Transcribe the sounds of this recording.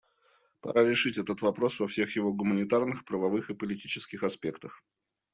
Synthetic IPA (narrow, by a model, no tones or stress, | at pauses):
pɐ̰ɾaɾʲɪʂɨtʲɛt̪ət̪vɐpɾo̞svɐfsʲexjɪvo̞ɡʊmənʲɪt̪arnɨxpɾəvɐvɨxɨpəlʲɪtʲit͡ɕɪ̥skʲɪxɐspʲe̞kt̪əx